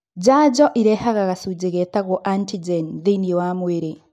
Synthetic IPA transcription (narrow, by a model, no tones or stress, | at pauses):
ɟaːɟɔʔiɾɛhaɣaɣasud͡ʒeɣɛtaɣɔʔantid͡ʒɛnðiniwamweɾe